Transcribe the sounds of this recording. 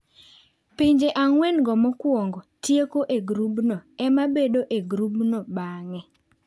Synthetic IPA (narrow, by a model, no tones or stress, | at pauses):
piɲd͡ʒeʔaŋwɛnɡɔmɔkwoŋɡotjekoʔeɡɾubnoɛmabedoʔeɡɾubnobaŋɛ